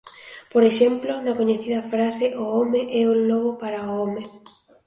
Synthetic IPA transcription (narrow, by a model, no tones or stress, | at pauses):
poɾeʃemplonakoɲeθiðɐfɾaseʔoomeʔɛuloɣopaɾaoome